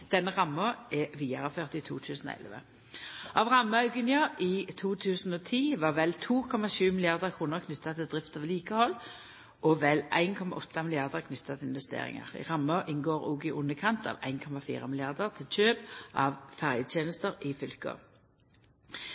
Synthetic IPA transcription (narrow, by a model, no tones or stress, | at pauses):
d̪̥ɛnːəʁɑmːəɛʋiːɑʁəføːʁt̪ɪt̪ʰṵːt̪ʰʉːsnɔ̰ɛ̰lʋə̰ | ʔɑʋʁɑmːəɑʉɡʉnɪɑʔiːt̪ʰuːt̪ʰʉːsn̩ɔːt̪ʰiːʋɑːʁʋɛlt̪ʰuːkʰɔmɑʃʉːmɪlɪjɑʁd̪əʁkʰʁuːnəʁkʰnʏt̪ːɑt̪ʰɪld̪ʁɪft̪ɑʋliːkəhɔlː | ɔʋɛlʔæ̰ɪnkʰɔmɑ̰ʔɔt̪ːɑmɪlɪjɑʁd̪əʁkʰnʏt̪ʰːɑt̪ʰɪlɪnʋɛst̪ḛːʁɪ̰ŋə̰ʁɪ̰ʁɑmːəʔɪnɡoːʁʊ̰ɡɪʔʊnːəkʰɑnt̪ɑ̰ːʋæ̰ɪnkʰɔmɑfḭːʁəmɪlɪɑʁd̪əʁt̪ʰɪlt͡ʃøːpʔɑ̰ʋfæʁjəd̪t̪ʰeːnəst̪əʁɪfʏlkə̰